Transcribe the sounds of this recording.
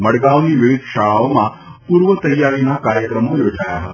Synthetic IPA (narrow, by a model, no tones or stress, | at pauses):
məɽɡaoniʋiʋid̪ʱʃaɭaomã | puɾʋət̪əjːaɾinakaɾjəkɾəmojod͡ʒʱaja̰ɦət̪a